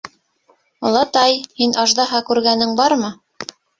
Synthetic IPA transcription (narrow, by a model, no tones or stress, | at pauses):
ŏlˠɑt̪ɑjhinɑʒd̪ɑɦɑkʉɾɡænɘŋbɑɾmɤ